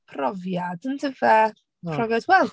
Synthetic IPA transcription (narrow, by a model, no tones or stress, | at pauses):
pʰrɔvjadəntʰəvɛ | rɔvjadwɛl